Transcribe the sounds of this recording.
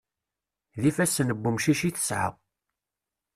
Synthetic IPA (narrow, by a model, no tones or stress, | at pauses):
ðifæsːnəbːumʃiʃiθə̥sʕə̰ʁ